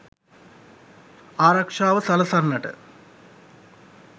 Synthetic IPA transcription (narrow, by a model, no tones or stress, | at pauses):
aːɾɐkʂaːʋəsɐlɐsarnɐʈə̰